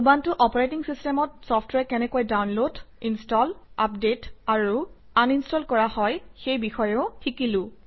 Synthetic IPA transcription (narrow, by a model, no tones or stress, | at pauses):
ubantʊʔɔpɔɹajtiŋsistɛmɔtsɔpʰtʰɹɛkɛnɛkojdawnlodinstɔlap̚detaɹu | aninstɔlkɔɹahɔjxejbixɔjɛʊxikilʊ̃